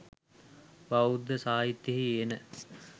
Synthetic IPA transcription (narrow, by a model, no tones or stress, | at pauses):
baud̪ːəsaːit̪ːeɦienə